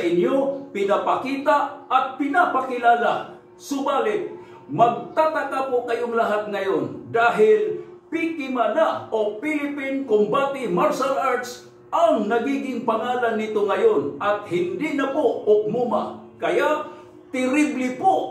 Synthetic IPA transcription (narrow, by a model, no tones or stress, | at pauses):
ʔɪnjopɪnapakiːt̪aɐt̪̚pɪnapakɪlaːla | sʊbaːlɪt̪̚ | mɐɡ̚t̪at̪akapokajoŋlaɦat̪̚ŋɐjond̪aːɦɪlpikɪmanaʔopɪlɪpɪnkʊmbat̪ɪmaɹʃalʔaɹt̪s | ʔaŋnɐɡiɡɪŋpaŋaːlanːit̪oŋajonʔɐt̪̚hɪnd̪ɪnapoʊk̚mumakɐja | t̪ɪɾɪblɪpo